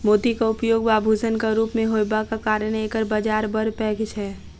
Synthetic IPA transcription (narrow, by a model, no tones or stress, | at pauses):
moːd̪ikaʊpjoɡbabʱud͡ʒənkaɾupmẽɦobakakaɾənekəɾbad͡ʒaɾbəɾpɛːkt͡ʃʰɛ